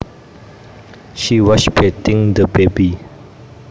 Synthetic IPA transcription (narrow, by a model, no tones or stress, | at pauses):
ʃiwɔʃpʰetĩŋdəbebi